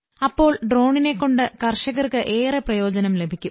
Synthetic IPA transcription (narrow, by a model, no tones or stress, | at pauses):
ɐpːo̞ːɭɖro̞ːɳine̞kːo̞ɳɖɨkɐrʂɐɣɐrkɨʔe̞ːreprɐjo̞ːd͡ʑɐnɐmle̞bʱikʲːum